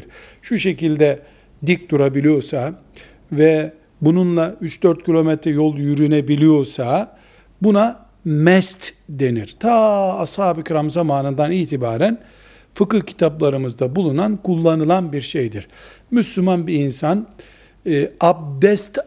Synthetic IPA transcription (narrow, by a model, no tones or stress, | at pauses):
ɾ | ʃuʃe̞cilʲd̪ɛ | d̪ik̚d̪uɾabilʲijo̞ɾsa | vɛ | bununlˠayt͡ʃd̪̥øɾt̪̚cʰilʲo̞mɛt̪ʰɾɛjo̞lˠjyɾynebilʲijo̞ɾsa | buna | mɛst̪d̪e̞niɾ̥t̪ʰaːshaːbikʰɾamzamaːnɯnd̪aniːt̪ʰibaːɾæn | fɯkɯhcʰi̥t̪ʰaplˠaɾɯmɯzd̪abulˠunankulˠːanɯlˠanbiɾʃejd̪iɾ̥myslʲumanbiːnsanː | ab̚d̪ɛst̪